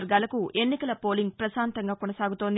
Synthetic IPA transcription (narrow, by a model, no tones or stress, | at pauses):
ɾɡaːlɐkuʔe̞nːikɐlɐpo̞ːliŋɡ̚pɾɐsaːnt̪ɐŋɡaːkonɐsaːɡut̪ond̪